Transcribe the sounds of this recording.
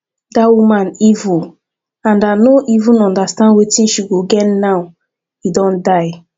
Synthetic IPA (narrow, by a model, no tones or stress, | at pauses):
dawumãnivu | ãndanoʔivũnɔ̃ndastãndwetĩnʃiɡoɡɛtnaʊ | hidɔ̃ndaɪ